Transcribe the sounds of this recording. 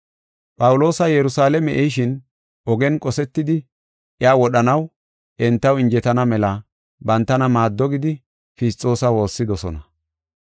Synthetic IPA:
pʼɐwlo̞ːsɐjɛɾʊsaːlɛmɛʔɛʃ̬ɪn | ʔɔɡɛnkʼɔsɛt̪ːɪd̪ɪ | ɪaːwɔɗɐnɐw | ʔɛnt̪ːɐwɪnd͡ʒɛt̪ɐnɐmɛlɐ | bɐnt̪ːɐnɐmaːd̪ːɔɡɪd̪ɪ | fɪstʼːo̞ːsɐwo̞ːsːɪd̪ɔsɔ̰nɐ

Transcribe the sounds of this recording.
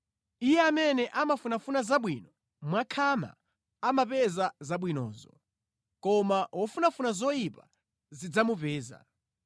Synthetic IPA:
ijɛamɛnɛʔamafunafunazaɓwiːnɔ | mwakʰama̰ | amapɛzazaɓwinɔ̰ːzɔ̰ | kɔmaɦɔfunafunazɔjipa | zid͡zamupɛːza̰

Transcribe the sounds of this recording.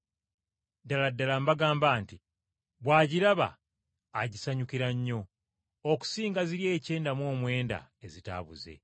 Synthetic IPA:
daladːalambaɡaːmbaːnti | βwaːɟiɾaβa̰ː | ɟisaɲukiɾaɲːo̞ | oku̥siːŋɡaziɾje̞ːce̞ːndamwo̞ːmwe̞ːnda̰ezita̰βṵze̞̰

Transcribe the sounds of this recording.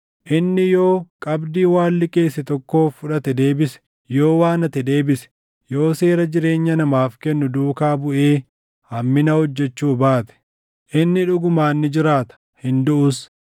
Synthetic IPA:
ʔɪnːɪjo̞ːkʼɐbd̪iːwaːlːɪke̞ːsːɪt̪ɔkːo̞ːfːʊᶑɐt̪ɛd̪e̞ːbɪsɛ̥ | jo̞ːwaːnɐt̪ɛd̪e̞ːbɪsɛ̥ | jo̞ːse̞ːɾɐd͡ʒɪɾe̞ːɲːɐnɐmaːfkɛnːʊd̪uːkaːbʊʔeː | hɐmːɪnɐhɔd͡ʒːɛt͡ʃːuːbaːt̪ɛ̥ | ʔɪnːɪᶑʊɡʊmaːnːɪd͡ʒɪɾaːt̪ɐ̥ | hɪnd̪ʊʔʊs

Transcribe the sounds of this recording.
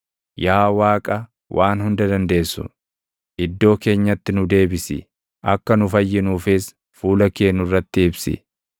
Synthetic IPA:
jaːwaːkʼɐ | wʔaːnhʊnd̪ɐd̪ɐnd̪e̞ːsʊ̰ | ʔɪd̪ːo̞ːke̞ːɲːɐt̪ːɪnʊd̪e̞ːbɪsɪ̰ | ʔɐkːɐnʊfɐjːɪnuːfɪs | fuːlɐke̞ːnːʊrːɐt̪ːɪɪbsɪ̰

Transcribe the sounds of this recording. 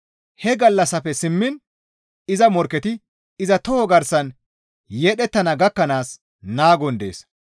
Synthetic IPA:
hɛɡɐlːɐsɐfɛsɪmːɪn | ɪzɐmɔɾkːɛt̪ɪ | ɪzɐt̪ɔhɔɡɐɾsɐn | jeːɗɛt̪ːɐnɐɡɐkːɐnaːs | naːɡɔnd̪e̞̰ːs

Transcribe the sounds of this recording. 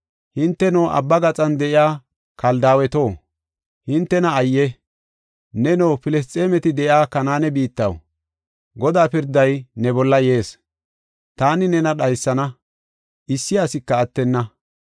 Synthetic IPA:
hɪnt̪ːɛnɔwʔɐ̰bːɐɡɐt͡sʼɐnd̪ɛʔɪjaː | kɐld̪aːwɛt̪o̞ː | hɪnt̪ːɛnɐːjːɛ | nɛnowpɪlɛs̬t̪ʼeːmɛt̪ɪd̪ɛʔjaːkɐnaːnɛbiːt̪ːɐ̰w | ɡɔd̪aːpɪɾd̪ɐjnɛbɔlːɐje̞ːs | t̪aːnɪnɛnɐɗɐjsːɐnɐ | ʔɪsːɪjasɪkːɐːt̪ːɛnːɐ

